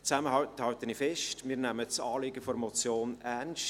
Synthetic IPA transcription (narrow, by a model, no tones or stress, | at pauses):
t͡sæməhɑthɑlt̪ənifɛʃtmiːɾnæmət͡sɑːliɡəfɔɾmɔt͡sjoːnænʃ